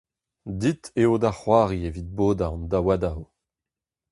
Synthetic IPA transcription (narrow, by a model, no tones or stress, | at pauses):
d̪it̪eod̪aχwaːʁievid̪̚boːd̪aɑ̃nd̪awad̪aw